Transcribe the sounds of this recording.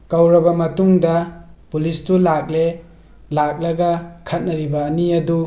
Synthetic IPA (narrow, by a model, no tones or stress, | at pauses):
kɐwɾɐbɐmɐtuŋdɐpulistulak̚le | lak̚lɐɡɐkʰɐt̚nɐɾibɐːniɐdu